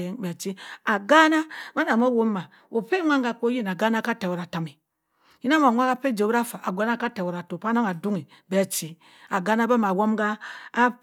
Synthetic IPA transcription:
e˦ŋbe˨t͡ʃi˦a˨ɡa˦na˦ma˦na˨ma˦wo˦mː˦a˨ | o˨pe˦ŋʷa˦ŋɡa˨k͡po˦ji˦na˨ɡa˦na˦ka˦te˨wo˨ɾa˨ta˨mi˨ | ji˦na˦ma˨ŋʷ˦a˦ɡa˦pe˦˨d͡ʒe˨bɾa˦fa˨ʔa˨ɡʷa˨˦na˦ka˦te˨wo˨ɾa˨to˨pa˦na˦ma˨du˦ŋi˨ | be˨˦˨t͡ʃi˨ | a˨ɡa˦na˦ba˦ma˨wo˦mɡaː˦

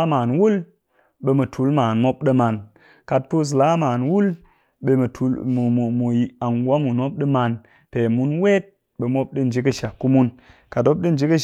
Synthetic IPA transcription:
maː˨nwu˦l | ɓe˧mɨ˨tʰu˨˦lma˨nmo˦p̚ɗɨ˦ma˨n | ka˧t̚po˦s̬la˦maː˨nwu˦l | ɓe˧m˨tʰu˨˦˨mu˨ja˨nɡwa˦mu˨no˦p̚ɗɨ˦ma˧n | te˨mu˧nwe˦t̚ | ɓe˨mo˦p̚ɗɨ˦n̩˨d͡ʒi˨˦kə˦ʃa˨kːu˦mu˦n | ka˨to˦p̚ɗɨ˦n̩˨d͡ʒi˨˦kə˦

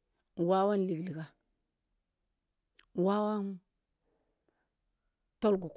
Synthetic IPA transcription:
wa˦wa˦nli˨ɡli˨ka˦ | wa˦wa˦n | to˦lɡu˨k

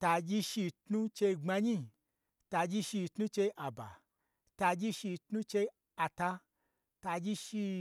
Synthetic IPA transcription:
ta˧d͡ʒi˧ʃi˧tnu˦t͡ʃe˧i˧ŋ͡ma˧ɲi˧ | ta˧d͡ʒi˦ʃi˧˨tnu˦t͡ʃe˧ʔa˨ba̰˨ | ta˧d͡ʒi˦ʃi˧tnũ˦t͡ʃe˧i˧ | a˨ta˧ | ta˧d͡ʒi˦ʃi˧

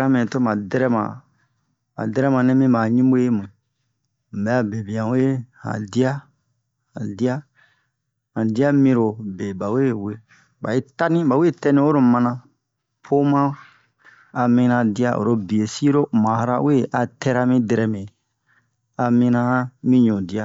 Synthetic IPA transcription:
ɾa˦mẽ˨to˦mã˨dɛ˦ɾɛ˦mã̰˨ | ma̰˨dɛ˦ɾɛ˦mã˨nɛ̃˦mĩ˦ba˨ɲĩ˦bo˦je˦mũ˨ | m̩˨bɛ˨a˨be˨bĩ˨ã˨we˦hã̰˨di˦a˦ | hã̰˨di˦a˦ | hã˨di˦a˦mĩ˧ɾo˨be˨ba˨we˦we˦ | ba˨i˦ta˦nĩ˦ba˨we˦˨tɛ˦nĩ˦wo˦ɾo˨mã˧nã˧ | pʰo˦mã˦ | a˨mĩ˧nã˧di˦a˦ʔo̰˨ɾo˧bi˨e˨si˦ɾo˦mã˨ha˦ɾa˦we˦ʔa˨tɛ˦ɾa˧mĩ˦dɛ˧ɾɛ˨mẽ˨ | a˨mĩ˧nã˧˦mĩ˦ɲõ˨di˨˦a˨

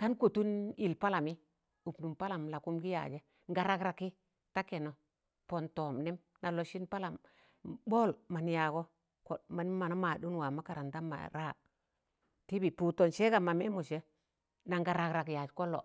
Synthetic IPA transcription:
ta˦nku˨tu˦ni˨lpa˦la˨mi˦ | u˨pnu˨mpa˦la˨mla˨ku˦mɡi˦ja̰˨d͡ʒe˦ | ŋɡa˨ɾa˦˨kɾa˨ki˦ | ta˦ke˨no˨ | po˨nto˨mni˦m | na˨lo˨ʃi˦npa˦la˨m | boː˦lma˨n˨ja˨ɡo˦ | ko˨t̚ma˨ni˦mːa˨na˦ma˨du˦nwa˨ma˦ka˨ɾa˨nda˦ma̰˨ɾa˦˨ | ti˦bi˨pu˨to˨nʃe˦ɡa˨ma˨me˦mu˨ʃe˦ | na˨ŋɡa˨ɾa˨kɾa˨kja˨d͡ʒko˦lːo̰˨

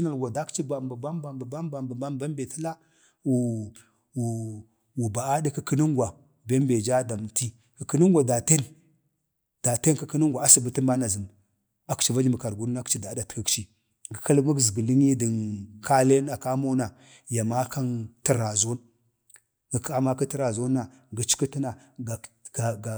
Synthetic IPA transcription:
na˨lɡʷa˨da˦kt͡ʃi˦ba˨mbə˨ba˦mba˨mbə˨ba˦mba˨mbə˨ba˦mba˦m˦be˨ti˦la˦ | wu˨ | w | wu˨ba˨a˦di˦kə˦kə˦nu˦ŋɡwa˨ | be˦mbe˨d͡ʒa˦da˨m˨ti˦ | kə˨kə˦nə˦ŋɡʷa˨da˨te˦n | d̥a˨te˦nkə˦kə˦nə˦ŋɡʷa˨a˦si˨bə˦tə˦mba˦na˨zə˨n | a˦kt͡ʃi˨va˦d͡ʒi˦mə˨ka˨ɾɡu˦ɾna˦kt͡ʃi˦da˨˦da˨tkə˦kt͡ʃi˦ | ɡə˨ka˦lma˦kzɡə˨li˦ŋi˦də˨nka˦le˦na˨ka˦mo˦na˨ | ja˨ma˦ka˦ntə˦ɾa˨zo˦n | ɡə˨ka˦ma˦kə˦tə˦ɾa˨zo˦nːa˨ | ɡə˨t͡ʃi̥˦ki˦ti˦na˨ | ɡa˨ | ɡ

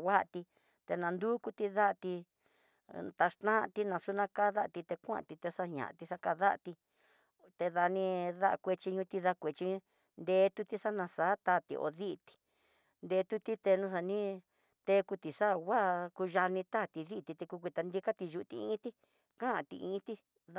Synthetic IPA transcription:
wʷa˦˧t̪i˧ | t̪e˧nã˧nd̪u˦ku˧t̪i˧ða˦ʔt̪i˧ | t̪a˧ʂt̪ã˦˧t̪i˧nã˧su˧nã˧ka˦˧ða˦ʔt̪i˧t̪e˧kʷã̰˦ã̰˧˨t̪i˧t̪e˧sa˧ɲã̰˨ʔã̰˧t̪i˧sa˧ka˧ða˦ʔt̪i˧ | t̪e˧ða˧nĩ˧ða̰˦˧kʷe˧t͡ʃi˧ɲũ˧t̪i˧ða˧kʷe˨t͡ʃĩ˧˦ | nd̪eː˧˦t̪u˧t̪i˦sa˦nã˧saː˨˦t̪a˦˨t̪ḭ˧ʔo̰˧˨ði˦ʔt̪i̥˨ | nd̪e˧t̪u˦t̪i˦t̪e˧nũ˧s̬a˧nĩ˦ | t̪e˧˦ku˧t̪i˨sa˦˨wa˦ku˧ʒa˧nĩ˧t̪a˦˨t̪i˧ði˦˨t̪i˧t̪e˧ku˧kʷi˧t̪a˧nd̪i˦˧ka˦t̪i˧ʒu˧u˧t̪ḭ˧ĩ˦t̪i˦ | kã˦˨t̪ḭ˧ʔḭ̃˧˦t̪i˦

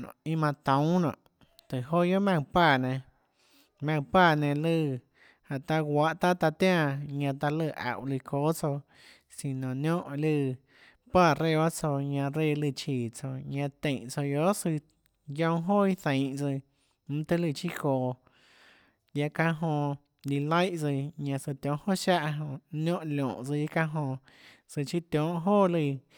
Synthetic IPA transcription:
nõ̰˨i˧mã˧t̪õ˨˦nɔ̰̃˨ʔ | t̪ɨ˨ɦo˦jo˦mã˧ŋpaː˦˧˨nẽ˧ | mã˧ŋ˧paː˦˧˨nẽ˧lɨ˧˨ | ha˨ʔt̪a˦˧ɡʷwʷa˦ʔt̪a˦t̪a˧t̪jã˦˧˨ɲã˧t̪a˧lɨ˧˨ʔa̰˨wli˧ko˦t͡so˧ | si˨nõ˨njõ˦ʔlɨ˧˨ | paː˦˧˨ɾe˦˧wa˦t͡so˧ɲã˧ɾe˧˨lɨ˧˨t͡ʃiː˨t͡so˧ɲã˧t̪ẽ˨ʔt͡so˧jo˦sɨ˧ | jõ˧ɦo˦i˦θẽ˨ʔt͡sɨ˧ | m̩̃˦t̪ɨ˧lɨ˧t͡ʃi˦koː˨ | ja˧kã˧ɦõ˧ | li˧la˦jʔt͡sɨ˧˨ɲã˧sɨ˧t̪ʲjõ˨˦ʔho˦˨ʃa˦ʔɦõ˧nʲõ˦ʔlõ̰ː˨ʔt͡sɨ˧i˦kã˦˧ɦõ˧ | sɨ˧t͡ʃi˦t̪ʲjõ˨˦ʔɦoː˦˨lɨ˧˨

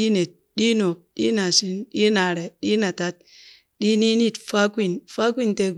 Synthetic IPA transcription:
i˦ne˨t̚ɗi˦no˨ɗḭ˦na˨si˦nɗi˦na˨ɾe˨ɗi˦na˨ta˦t̚ | ɗi˦ni˦ni˦˨tfa˦kʷi˦˨nfa˦kʷi˦nte˦

